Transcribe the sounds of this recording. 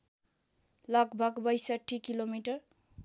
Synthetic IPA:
lʌɡbʱʌɡbʌjsʌʈʰːikilomiʈʌr

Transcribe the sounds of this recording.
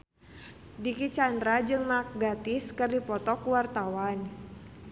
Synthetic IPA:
dikit͡ʃandɾad͡ʒɨŋmak̚ɡat̪ɪskɨrdipɔt̪ɔkuwart̪awan

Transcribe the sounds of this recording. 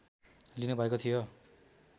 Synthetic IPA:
linubʱʌekot̪ʰijo

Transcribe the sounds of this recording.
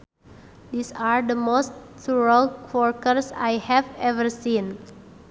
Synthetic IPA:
disaɹdəmostsuɹəlkʰwɔɹkəɾsa̰jhɛvɛvəɹsĩn

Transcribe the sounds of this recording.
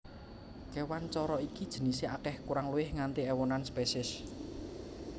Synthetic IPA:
kɛwant͡ʃɔɾɔikid̥ʒ̥ə̤niseakɛhkuɾaŋluwɪhŋant̪eɛwɔnanspɛsɪs

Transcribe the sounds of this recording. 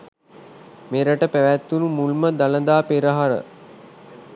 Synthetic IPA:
meɾəʈəpæʋæt̪ːunumulməd̪aləd̪aːpeɾəɦaɾə̰

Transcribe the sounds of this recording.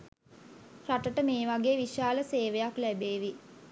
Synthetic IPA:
raʈəʈəmeːʋaɡeːʋiʃaːləseːʋəjaklæbeːʋi

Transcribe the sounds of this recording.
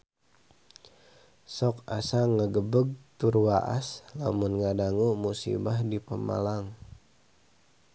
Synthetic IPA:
sɔkasaŋəɡəbəɡ̚t̪urwaʔa̰sla̰munŋadaŋumusḭbahdipəma̰laŋ

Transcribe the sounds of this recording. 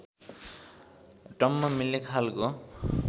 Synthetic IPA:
ʈʌmːamilekʰalko

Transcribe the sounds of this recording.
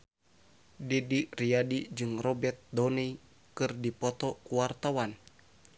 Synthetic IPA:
didiriadid͡ʒɨŋrɔbɛt̪̚dɔni | kɨrdipɔt̪ɔkuwart̪awan

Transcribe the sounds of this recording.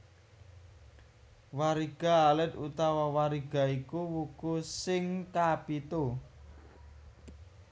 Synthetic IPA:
waɾiɡ̥a̤ːlɪt̪ut̪awawaɾiɡ̥a̤ikuwukusɪŋkapit̪o

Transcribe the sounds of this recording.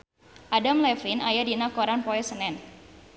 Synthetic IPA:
ʔadamlɛflinajadinakoɾanpɔɛsənɛn

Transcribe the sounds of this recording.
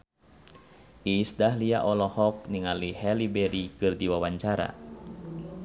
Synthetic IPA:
ʔisdaɦliaʔɔlɔhɔk̚niŋalihɛlibɛɾikɨrdiwawaɲt͡ʃaɾa̰

